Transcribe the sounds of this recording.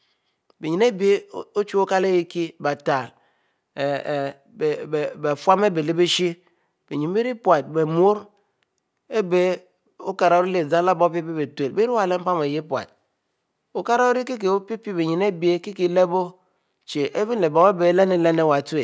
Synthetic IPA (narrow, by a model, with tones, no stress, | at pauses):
be˨ɲi˨ne˦bi˨e˦o˦t͡ʃu˦o˦ka˦le˦ji˦ki˦ba˨ta˨ | be˨fwa˦me˦be˨le˦be˦ʃi˦ | b̥e˨ɲi˨m˦be˦ɾi˦pwa˨t̚be˨m˦o˦ɾ | e˦be˨˦ | o˦ka˨ɾa˨o˦ɾi˦le˨za˦la˦bo˦pi˦bi˦be˨tʷe˨lbe˦ɾi˦wa˨le˦m̩˦pa˦me˨je˦pwa̰˨t̚ | o˨ka˦ɾa˦o˦ɾi˦ki˦k̬e˨o˦pi˦pi˦be˨ɲi˨ne˦bi˨e˦ki˦ki˨˦le˦bo˦ | t͡ʃe˨ʔe˦bi˦n˦le˨bo˨e˦be˨˦le˦ne˦le˦ne˦˨wa˨tu˦e˨